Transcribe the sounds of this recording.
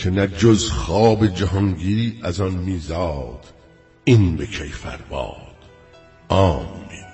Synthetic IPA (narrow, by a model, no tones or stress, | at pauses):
kʰenæd͡ʒozxɑːbed͡ʒæɦɒŋɡiːɾiːʔæzɒnmiːzɑːd̪̥ | inbekʰejfæ̰ɾbɑ̰ːd̪̥ | ʔɒːmːi